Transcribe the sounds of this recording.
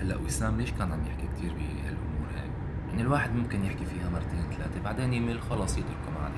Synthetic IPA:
halːaʔwisaːmleːʃkaːnʕamjɪħkikt̪ʰiːɾbiha̰lʔʊmuːɾha̰ːk | jaʕnɪlwaːħɪd̪mʊmkɪnjɪħkifiːhamɑɾˤt̪eːnt̪alaːt̪ebaʕd̪eːnjɪʔmilxɑlɑsˤit̪ʊɾkʊmʕa̰l

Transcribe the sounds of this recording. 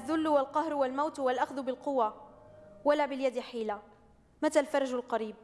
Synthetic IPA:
aðːʊlːwalqɑhɾwalmawt̪walʔaxðʊbɪlqʊwːa | walaːbɪljad̪ɪħiːla | mat̪aːlfɑɾˤɑʒalqɑɾiːb̚

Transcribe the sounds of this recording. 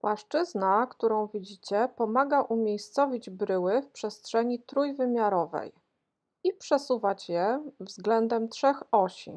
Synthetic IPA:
pwaʂt͡ʂɘznakt̪uɾɔ̃w̃vʲid͡ʑit͡ɕɛpɔmaɡaʔumʲjejst̪sɔvʲid͡ʑbɾɘwɘfpʂɛstʂɛɲit̪ɾujvɘmʲjaɾɔvɛ̰j | ipʂɛsuvat͡ɕjɛvzɡlɛnd̪ɛmt̪ʂɛxɔɕḭ

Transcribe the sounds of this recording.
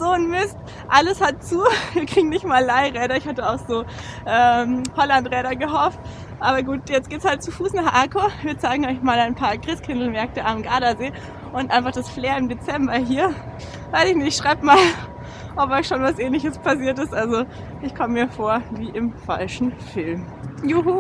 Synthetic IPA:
z̥oːnmɪst | ʔaləshat̚t͡suːviːɐkʁ̥iːɡŋ̩nɪçtmaːlːaɪʁɛːɾɐɪçhatəaʊxz̥oːʔɛːmhɔlantʁɛːɾɐɡəɦɔft | ʔaːbɐɡuːtjɛt͡stɡ̥eːtshalt̚t͡sufuːsnaχʔaːkoːviːɐt͡saɪɡŋ̩ɔʏçmaːlaɪnpʰaːɐɡʁɪskʰɪndl̩mɛɐk̚təamɡaːɾazeː | ʔʊntʔaɪ̃nfaχd̥asfleːɐɪmdet͡sɛmbɐɦiːɐ | vaɪsɪçnɪçtʃʁ̥aɪbmaːl | ʔɔp̚ɔçʃoːnvasʔɛːnlɪçəspʰasiːɐtɪstʔalzo | ʔɪçkʰɔməmiːɐfoːɐviːʔɪmfa̰lʃn̩fɪlmjuɦuː

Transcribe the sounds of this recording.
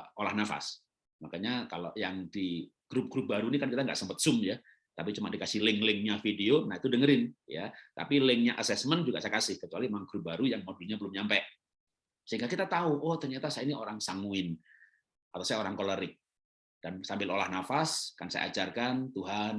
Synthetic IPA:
olahnafa̰s | makaɲakalojaŋdiɡ̥ɾʊp̚ɡ̥ɾʊp̚baɾunikankit̪aŋɡa̰ʔsəmpət̪̚sʊmja | t̪ap̬it͡ʃumadikasɪhlɪŋlɪŋɲafideonahit̪udəŋəɾɪnja̰t̪a̰pilɪŋɲaʔasɛsmənd͡ʒuɡaʔsajakasɪhkət͡ʃualimaŋɡɾʊp̚baɾujaŋmodilɲabəlʊmɲampɛʔ | səɦiŋɡakit̪at̪auʔɔt̪ərɲat̪asajainiʔoɾaŋsaŋuɪn | ʔat̪awsajaoɾaŋkoləɾɪk̚ | d̥ansambɪlolahnafaskansa̰ja̰a̰d͡ʒarkant̪uɦan

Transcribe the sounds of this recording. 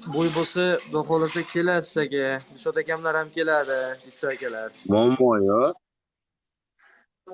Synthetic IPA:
bojbosad̪ɒɦɒlas̬akʲʰe̞lasɪ̥zaɡʲab̪ʊʃɒt̪akʲamlaɾhamkʲʰe̞laɾd̪ɪɡʲɪp̚t̪ʰːɒakʲʰalaɾmɒmbɒnɒ

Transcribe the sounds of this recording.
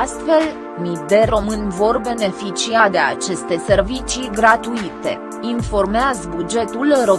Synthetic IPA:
ast̪fe̞l | mid̪e̞ɾo̞mɨnvo̞rbe̞ne̞fit͡ʃiad̪e̞a̰t͡ʃe̞st̪e̞se̞rvit͡ʃiɡɾat̪uit̪e̞̰ | info̞rmeazbud͡ʒe̞t̪ulro̞

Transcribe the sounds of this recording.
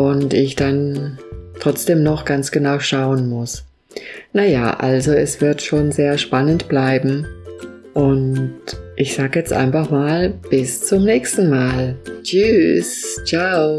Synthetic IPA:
ʔʊntɪçd̥an | tʁ̥ɔt͡sd̥eːmnɔχɡ̥ant͡sɡ̥ənaʊʃaʊənmʊs | naja̰ːʔalzoɛsv̥ɪɐtʃoːnzeːɐʃpanəntb̥laɪbm̩ | ʔʊntʔɪçz̥aːɡəjɛt͡stʔa̰ɪnfaχmaːlb̥ɪst͡sʊmnɛːçstn̩maːlt͡ʃyst͡ʃaʊ

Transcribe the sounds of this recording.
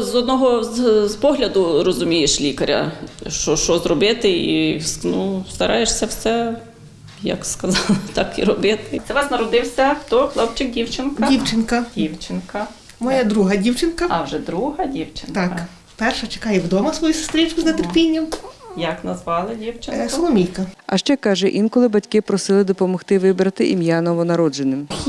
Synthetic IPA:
zɔd̪nɔɦɔzzpɔɦlʲɐd̪ʊɾɔzʊmʲijeʃlʲikɐɾʲɐ̰ʃt͡ʃɔʃt͡ʃɔzɾɔbɪt̪ɪḭsnust̪ɐɾʔɑjeʃsʲɐwsɛ | jɐ̰kskɐzɑlˠt̪ɑkḭɾɔbɪt̪ɪt̪sɛʋɑsnɐɾɔd̪ɪwsʲɐxt̪ɔxlˠɔpt͡ʃɪk̚dʲiwt͡ʃɪnkdɐiwt͡ʃɪnkɐdʲiwt͡ʃɪnkɐ | mɔjad̪ɾuɦɐdʲiwt͡ʃɪnkɐɐwʒɛd̪ɾuɦɐdʲiwt͡ʃɪnt̪ɑk | pɛrʃɐt͡ʃe̥kɑjɛʋd̪ɔmɐsʋɔjusʊ̥st̪ɾʲit͡ʃkʊznɐt̪erpʲinʲːɐmjɐknɐzʋɑlˠɪdʲiwt͡ʃɪnsɔlˠɔmʲijkɐɐ̰ʃt͡ʃɛkɑʒɛʔinkɔlˠɪbɐtʲkɪpɾɔsɪlˠɪd̪ɔpɔmɔxt̪ɪʋɪbɾɐt̪ɪʔimʲjɑnɔʋɔnɐɾɔd͡ʒenɪm

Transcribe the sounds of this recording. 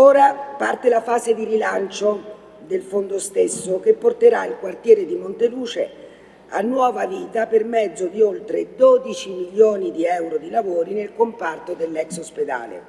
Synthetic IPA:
oːɾapart̪elafaːzed̪iɾilant͡ʃo | d̪elfond̪ost̪esːok̟epːort̪eɾailkwart̪jɛːɾed̪imont̪eluːt͡ʃe | a̰nːwɔːvaviːt̪apermɛd̪zːod̪iolt̪ɾed̪oːd̪it͡ʃimiljoːnid̪iɛwɾod̪ilavoːɾinelkompart̪od̪elːɛksosped̪a̰ːlḛ

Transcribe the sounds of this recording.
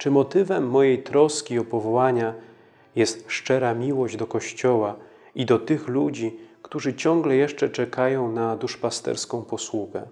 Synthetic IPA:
t͡ʂɘmɔt̪ɘvɛmːɔjejt̪ɾɔskʲiɔpɔvɔwaɲa | jɛst̪ʂt͡ʂɛɾamʲiwɔʑd͡ʑd̪ɔkɔɕt͡ɕɔwa | id̪ɔt̪ɘxlud͡ʑikt̪uʐɘt͡ɕɔŋɡlɛjɛʂt͡ʂɛt͡ʂɛkʰajɔ̃w̃nad̪uʂpast̪ɛ̰ɾskɔ̃w̃pɔswuɡɛ

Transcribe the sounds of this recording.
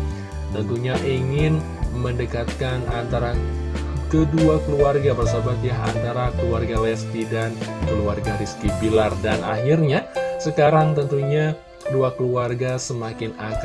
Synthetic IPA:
t̪ənt̪uɲaʔiŋɪn | məndəkat̪̚kana̰nt̪aɾa | kəduakəluarɡabərsabat̪jaɦa̰nt̪aɾakəluarɡalɛspidankəluarɡaɾiskibilardana̰ɦɪrɲasəkaɾaŋt̪ənt̪uɲa | duakəluarɡasəmakɪnak

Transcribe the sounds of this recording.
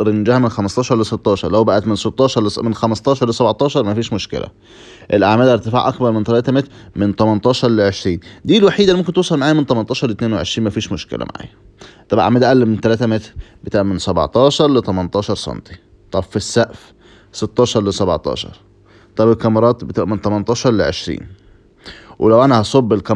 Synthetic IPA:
ɾennd͡ʒæːhæmenxæmɑsˤt̪ɑːʃɑɾˤleset̪ˤːɑːʃɑ̰ɾˤlæwbæʔæt̪menset̪ˤːɑːʃɑɾˤlmenxæmɑst̪ˤɑːʃɑɾˤlesæbʕt̪ˤɑːʃɑɾˤmæfiːʃmoʃkḛlʔæ̰ | ʔelʔaʕmæːlʔæɾt̪efa̰ːʕʔɑkbɑɾˤment̪ælæːt̪æmet̪ɾmɪnt̪ˤɑmɑnt̪ˤɑːʃɑɾˤleʕeʃɾiːnd̪iːlwaħiːd̪ælimomkent̪osˤɑlmaʕaːjæment̪ˤɑmɑnt̪ɑːʃɑɾˤlet̪neːnweʕḛʃɾiːnmæfiːʃmoʃkḛlæ̰ma̰ʕa̰ːjæ | t̪ɑbʔa̰ʕmæːd̪ʔæʔælːement̪ælæːt̪æmet̪ɾbet̪aːʕmensæb̰ʕt̪ˤɑːʃɑɾˤlet̪ˤɑmɑnt̪ˤɑːʃɑɾˤsˤɑ̰nt̪i̥ | t̪ˤɑbfisːæʔf | set̪ːɑːʃɑɾˤlesæba̰ʕt̪ˤɑ̰ːʃɑ̰ɾˤ | t̪ˤɑbelkɑmɑɾˤɑːt̪bet̪ṵːʔment̪ˤɑmɑnt̪ˤɑːʃɑɾˤleʕeʃɾḭːn | wʔelæwʔænæhɑsˤobːelkæ

